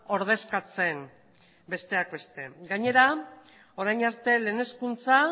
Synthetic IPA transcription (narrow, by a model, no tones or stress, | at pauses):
o̞ɾð̞e̞skat͡se̞n | be̞st̪e̞ak̚be̞st̪e̞ɡaɲe̞ɾa | o̞ɾajnaɾt̪e̞leːne̞skunt͡sa